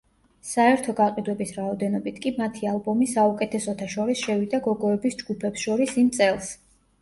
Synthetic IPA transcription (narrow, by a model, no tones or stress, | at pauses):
saɛɾt̪ʰɔɡaqʼid̪wɛbisɾaɔd̪ɛnɔbit̪ʰkʼimat̪ʰialˠbɔmisaukʼɛt̪ʰɛsɔt̪ʰaʃɔɾisʃɛvid̪aɡɔɡɔɛbisd͡ʒɡupʰɛpsʃɔɾisimt̪sʼɛlˠs